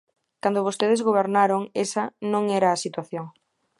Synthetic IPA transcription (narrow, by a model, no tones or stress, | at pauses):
kand̪oβost̪eð̞ezɣoβeɾnaɾoŋesɐnõŋɛɾɐːsit̪waθjoŋ